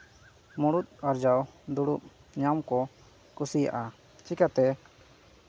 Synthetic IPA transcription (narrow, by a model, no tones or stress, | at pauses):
mɔɽut̪̚aɾd͡ʒawd̪uɽuʔ̚ | ɲamkɔ | kusija̰ʔa | t͡ʃikat̪ɛ